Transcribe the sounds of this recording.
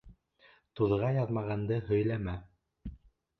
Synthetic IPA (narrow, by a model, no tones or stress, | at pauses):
t̪uðʁɑjɑðmɑʁɑnd̪ɤɦɵ̆jlæmæ